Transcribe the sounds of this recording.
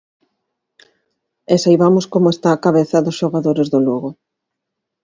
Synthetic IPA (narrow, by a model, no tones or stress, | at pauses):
esajβamʊskomoest̪aːkaβ̞eθaðʊsʃoɣaðoɾezðʊluɣʊ